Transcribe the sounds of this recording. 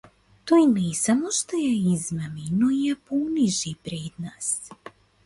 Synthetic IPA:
t̪oinesamoʃt̪ojeizmaminoijeponiʒipɾed̪naːs

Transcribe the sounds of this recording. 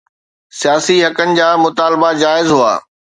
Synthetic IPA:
sijaːsiɦɐkənɪ̆d͡ʑaːmʊt̪aːlbad͡ʑaːɪzɦua̰ː

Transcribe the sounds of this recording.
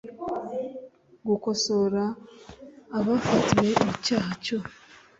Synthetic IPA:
ɡuko̞so̞ɾaː | βafatiwe̞ocaːco

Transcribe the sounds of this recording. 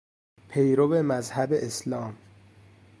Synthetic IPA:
pʰejɾobemæzhæbeʔeslɒːm

